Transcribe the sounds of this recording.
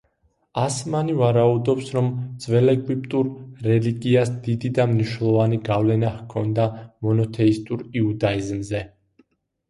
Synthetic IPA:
asmanivaɾaud̪ɔpsɾɔmd̪z̥vɛlɛɡvip̚ʼt̪ʼuɾːɛliɡiasd̪̥id̪id̪amniʃnɛlˠɔvaniɡavlɛnahkʰɔnd̪amɔnɔt̪ʰɛist̪ʼuɾiud̪aizmzɛ

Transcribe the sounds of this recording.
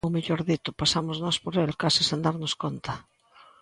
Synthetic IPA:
ʊmeʎɔɾðit̪ʊpasamʊznɔspoɾelkasɪsẽnd̪aɾnʊskont̪ɐ

